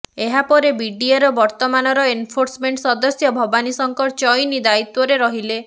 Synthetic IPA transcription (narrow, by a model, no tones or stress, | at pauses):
eɦapɔɾebiɖieɾɔbɔɾt̪ɔmanɔɾɔenpʰoɾsmeɳʈsɔd̪ɔsjɔbʱɔbanisɔŋkɔt͡ʃɔjnid̪ait̪wɔɾeɾɔɦile